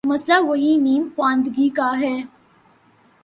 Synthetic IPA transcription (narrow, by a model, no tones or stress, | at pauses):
mɐslaʋɐɦiniːmxwãːnd̪ɡikaɦɛː